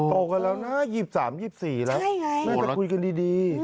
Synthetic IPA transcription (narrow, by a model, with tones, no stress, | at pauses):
t̪o˨˩ka˧lɛː˦˥wna˦˥jiː˨˩p̚saː˩˦mjiː˨˩p̚siː˨˩lɛː˦˥˩na˥˩a˩ku˧jka˧ndiː˧diː˧